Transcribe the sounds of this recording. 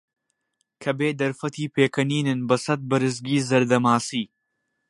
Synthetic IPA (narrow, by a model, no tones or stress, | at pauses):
kʰɐbeːd̪ɐɾfɐt̪iːpʰeːkʰɐniːnɨnbɐsɐt̪̚bɐɾɨsɡiːzɐɾd̪ɐmaːsiː